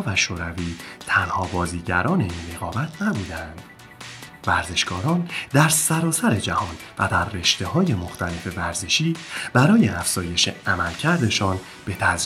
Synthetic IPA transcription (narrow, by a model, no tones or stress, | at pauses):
væʃoːɾæviːt̪ʰænhɒːbɒːziːɟæɾɒːne̞inre̞ɣɒːbæt̪ʰnæbuːd̪ænd̪̥ | væɾze̞ʃkɒːɾɒnd̪æɾsæɾɒːsæɾe̞d͡ʒæhɒːn | væ̰d̪æɾːe̞ʃt̪e̞hɒːje̞mo̞xt̪ʰæle̞fe̞væɾze̞ʃiːb̥æɾɒːjeæfz̥ɒːje̞ʃe̞̰æmælcʰæɾd̪e̞ʃɒːn | b̥e̞t̪ʰæz